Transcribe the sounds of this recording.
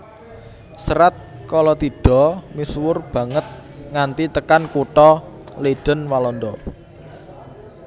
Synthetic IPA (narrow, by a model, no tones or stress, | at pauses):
səɾat̪̚kɔlɔt̪iɖ̥ɔ̤miswʊrb̥ä̤ŋət̪̚ŋant̪it̪əkankuʈɔ | leɖ̥ə̤nwalɔnd̪ɔ